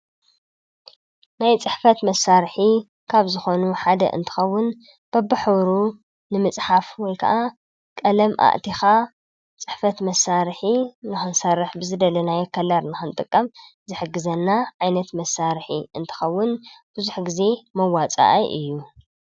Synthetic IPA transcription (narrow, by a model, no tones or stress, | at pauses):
najt͡sʼɨħfɐt̪mɐsːaɾħi | kʰaβzɨxo̞nuħad̪ɐ̰ʔɨ̰nt̪ʰɨ̥xɐwːʊn | b̥ɐbːɨħβɾu | nɨmɨt͡sʼħafwɔjkʰɐa̰ʔa | kʼɐlɐmʔa̰ʔt̪ʰixa | t͡sʼɨħfɐt̪mɐsːaɾħinɨxɨnsɐɾɨħbɨzɨd̪ɐlɐnajɛkʰːɐlaɾnɨxɨnt̪ʼɨkʼːɐm | zɨħɨɡːɨzɐnːaʕajnɐt̪mɐsːaɾħḭʔɨnt̪ʰɨ̥xɐwːʊnb̥ɨzuħɡize̞mɐwat͡sʼa̰ʔɐ̰ʔɨjːu